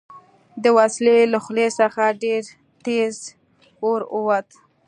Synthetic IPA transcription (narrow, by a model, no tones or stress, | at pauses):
d̪əwasleləxlesəxaɖeɾ | t̪ez | oɾuwat̪